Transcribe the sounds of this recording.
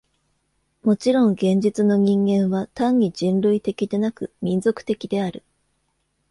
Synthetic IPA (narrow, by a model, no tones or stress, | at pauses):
mo̞t͡ɕiɾõ̞ŋɡẽ̞ɲ̟d͡ʑit͡sɨno̞ɲ̟ĩŋɡẽ̞ɰ̃βat̪ãɲ̟ːiʑĩnɾɯit̪e̞kʲid̪e̞nakɯ̟mʲĩnd͡zo̞kɯ̟̥t̪e̞kʲid̪e̞aɾɯ̟